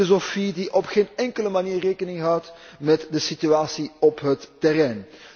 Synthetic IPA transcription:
ozofidiʔɔpxeːnɛŋkələmaniːreːkənɪŋɦʌwt | mɛtdəsityaːsiɔpɦətːɛrɛjn

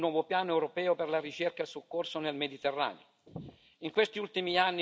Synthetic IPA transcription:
wɔːvopjaːnoɛwɾopɛːoperlaɾit͡ʃerkaesukːorsonelmed̪it̪erːa̰ːnḛo | iŋkwest̪iult̪imianː

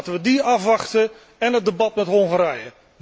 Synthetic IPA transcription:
təʋədiɑfʋɑχtə | ɛnɦət̚dəbɑtmɛtɦoŋχəɾɛjə

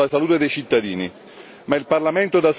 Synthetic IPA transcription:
asaluːt̪ed̪ejt͡ʃit̪ːad̪iːni | mailparlament̪od̪as

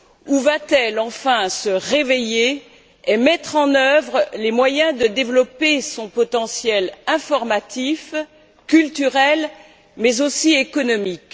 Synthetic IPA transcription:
uvat̪ɛlɑ̃fɛ̃səʁeveje | emɛt̪χɑ̃nœvʁəlemwajɛ̃d̪əd̪evlɔpesɔ̃pɔt̪ɑ̃sjɛlɛ̃fɔʁmat̪if | kʲylt̪yʁɛl | mɛzosiekɔnɔmik

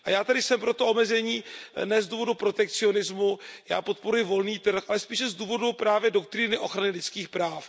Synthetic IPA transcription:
ʔajaːt̪adɪsɛmpɾo̞t̪oʔo̞mɛzɛɲiːnɛzduːvo̞dupɾo̞t̪ɛk̚t͡sɪo̞nɪzmuja̰ːpo̞t̪̚po̞ɾujɪvo̞lniːt̪r̩xʔalɛspiːʃɛzduːvo̞dupɾaːvjɛdo̞kt̪ɾɪnɪʔo̞xɾanɪlɪt͡skiːxpɾaːf

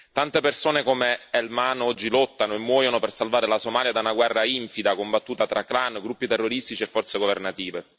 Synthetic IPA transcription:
t̪ant̪epersoːnekomeɛlmaːnoɔd͡ʒːilɔt̪ːanoemːwɔːjonopersalvaːɾelasomaːljad̪aunaɡwɛrːaiɱfid̪akombat̪ːuːt̪at̪ɾaklanɡɾupːit̪erːoɾist̪it͡ʃiɛfːɔrt̪seɡovernat̪iːve

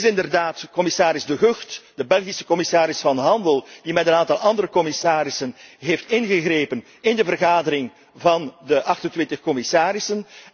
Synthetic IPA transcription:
sɪndərdaːtkɔmɪsaːɾɪzdəɦøxtd̥əbɛlˠɣisə̥kɔmɪsaːɾɪsfɑnɦɑndəlˠd̥imɛtənaːntɑlˠɑndəɾəkɔmɪsaːɾɪsənɦeftɪnɣəɣreːpən | ɪndəvərɣaːdəɾɪŋ | vɑndəʔɑxtəntʋɪntəxkɔmɪsaːɾɪsən

